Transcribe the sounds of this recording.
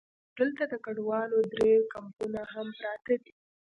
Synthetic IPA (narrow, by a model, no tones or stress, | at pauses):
d̪əlt̪ad̪əkaɖwɑlod̪ɾekampunaɦampɾɑt̪ad̪i